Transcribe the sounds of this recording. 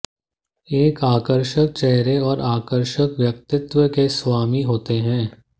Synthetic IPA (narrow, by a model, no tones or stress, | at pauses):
eːkaːkəɾʃək̚t͡ʃɛɦɾeɔːɾaːkəɾʃəkʋjək̚t̪ɪt̪ʋəkesʋaːmiɦoːt̪eɦɛ̃ː